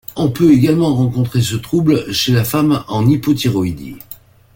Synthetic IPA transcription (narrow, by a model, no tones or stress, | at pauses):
ɔ̃pøeɡalmɑ̃ʁɑ̃kɔ̃t̪χesət̪χublʃelafamɑ̃nipɔt̪iʁɔid̪ḭ